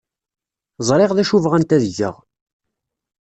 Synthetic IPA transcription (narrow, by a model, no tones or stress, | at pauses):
zˤɾˤeʁðæʃuvʁænt̪æðəʝːə̰ʁ